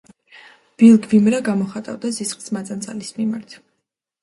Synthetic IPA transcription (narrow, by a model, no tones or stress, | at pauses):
b̥ilˠɡvimɾaɡamɔχat̪ʼa̰vd̪azisχʼsmat̪sʼant̪sʼalismimaɾt̪ʰ